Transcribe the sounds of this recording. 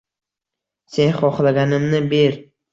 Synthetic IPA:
se̞nχɒχlaɡʲanɪmnɪbe̞ɾ

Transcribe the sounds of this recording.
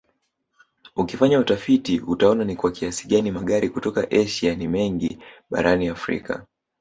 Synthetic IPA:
ukifaɲautafitiutaɔnanikwakiasiɠanimaɠaɾikutɔkaʔɛʃianimɛŋɡiɓa̰ɾaniafɾḭka̰

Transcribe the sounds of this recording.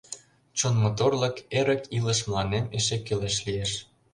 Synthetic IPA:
t͡ɕonmot̪orlɤ̆keɾə̆kilə̆ʃ̬mlˠɑneneʃekːøleʃlijeʃ

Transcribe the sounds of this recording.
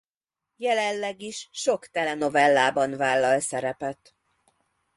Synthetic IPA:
jɛlɛlːɛɡiʃʃo̞kt̪ɛlɛno̞vɛlːaːbɒnvaːlːɒlsɛɾɛpɛt̪

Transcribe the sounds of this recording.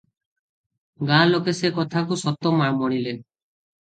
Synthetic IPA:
ɡãlokesekɔt̪ʰakusɔt̪ɔmamɔɽ̃ile

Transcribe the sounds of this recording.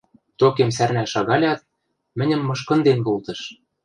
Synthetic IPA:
t̪okemsærnæʃɑɣɑlʲɑt̪̚ | mɘ̆nʲɘ̆mːɤ̆ʃkɤ̆nd̪enkolt̪ɤ̆ʃ

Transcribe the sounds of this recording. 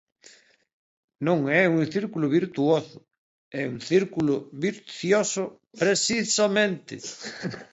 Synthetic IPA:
nõŋɛuŋθiɾkulʊβiɾt̪uosʊ̥ | ɛuŋθiɾkulʊβiɾθjosʊ | pɾesisamẽnt̪ɪ̰

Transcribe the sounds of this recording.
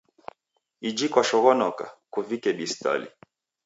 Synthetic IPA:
id͡ʒikwaʃɔɣɔnɔka̰kuvikɛɓista̰lḭ

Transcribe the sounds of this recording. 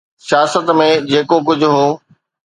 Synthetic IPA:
sijaːsət̪mẽd͡ʑeːkok̬ʊd͡ʑʱʊɦoː

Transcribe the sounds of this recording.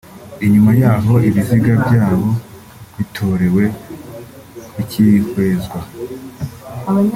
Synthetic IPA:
iɲumajaːɦo̞iβiziɡabɟaːβo̞ | βitʰo̞ɾe̞we̞ | icihweːzɡwa

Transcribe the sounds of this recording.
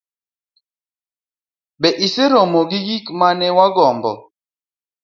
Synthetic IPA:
bɛʔiseɾɔmoɡijikmanɛwaɡɔmbɔ̰

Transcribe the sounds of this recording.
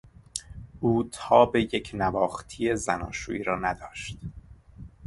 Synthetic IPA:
ʔuːt̪ʰɒːbe̞jecʰnævɒːxt̪ʰije̞zænɒːʃuːiːɾɒːnæd̪ɒːʃt̪

